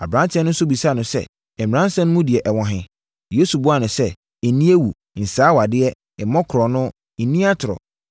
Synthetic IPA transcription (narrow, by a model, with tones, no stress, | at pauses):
a̰˨bɾã˦n˦t͡ɕʰɛ̃˦n˦ʊ̃˦sʊ˦bi˨sa˦˨nʊ̃˨sɛ̰˦˨ | ɾã˦n˦sã˦nʊ̃˦mũ˦di˨ɛ˨ʔɛ˨wɔ̃˨ɦɪ̃˨ | je˦su˨bʊ˦a˨nʊ̃˨sɛ˦ | e˨nĩ˦e˦wu˨ | n̩˨saː˨˦wa˨dɪ˦ɛ˦ | ɪ˨mɔ̃˦kʰʊ˨ɾɔ˨nʊ̃˦ | n̩˨nĩ˦a˦tʰʊ˨ɾɔ̰˨